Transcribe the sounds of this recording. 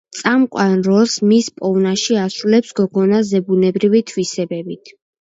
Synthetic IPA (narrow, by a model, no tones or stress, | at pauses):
t̪sʼamkʼwanɾɔlˠsmispʼɔvnaʃiasulɛpsɡ̥ɔɡɔnazɛbunɛbɾivit̪ʰwisɛbɛbit̪ʰ